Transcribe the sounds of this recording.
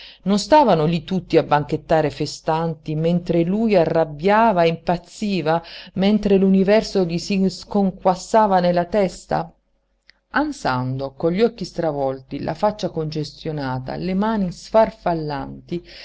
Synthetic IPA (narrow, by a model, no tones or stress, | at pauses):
nonst̪aːvanolit̪ut̪ːiabːaŋket̪ːaːɾefest̪ant̪imɛnt̪ɾelujarːabjaːvaimpat̪sːiːvamɛnt̪ɾelunivɛrsoʎisiskoŋkwasːaːvanelat̪ɛst̪a̰ | ansand̪okoʎːɔkːist̪ɾavɔlt̪ilʔa̰fat͡ʃːakond͡ʒest̪jonaːt̪a̰lemaːnisfarfalːant̪i